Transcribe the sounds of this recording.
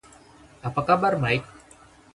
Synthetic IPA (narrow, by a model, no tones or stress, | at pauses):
apakabaɾmajk̚